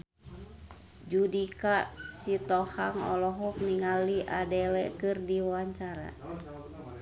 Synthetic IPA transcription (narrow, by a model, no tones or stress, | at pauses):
d͡ʒudikasit̪ɔhaŋɔ̰lɔɦɔk̚niŋaliʔadɛlɛkɨrdiwawaɲt͡ʃaɾa̰